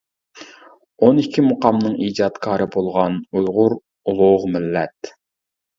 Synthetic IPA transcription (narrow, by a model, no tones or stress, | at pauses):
onikʲʰːimʊqɑmnɨŋiːd͡ʒɑt̪kʰɑːɾɨbolˠʁɑnujʁʊɾ | ulˠʊʁmɪlːɛt̪